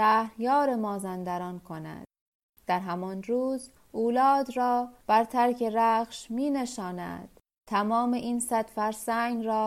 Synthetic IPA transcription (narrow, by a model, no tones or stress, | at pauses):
æhɾjɒːɾe̞mɒːzænd̪æɾɒːnkʰo̞næ̰d̪̥ | d̪̥æɾɦæmɒnɾuːz | ʔuːlɒːd̪ɾɒːb̥æɾt̪ʰæɾcʰe̞ɾæːχʃmiːne̞ʃɒːnæ̰d̪̥ | t̪ʰæmɒːmeʔinsæd̪̥fæɾsæŋɡɾɒː